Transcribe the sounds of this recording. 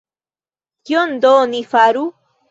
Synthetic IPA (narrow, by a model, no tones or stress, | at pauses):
kjond̪oːnifaɾu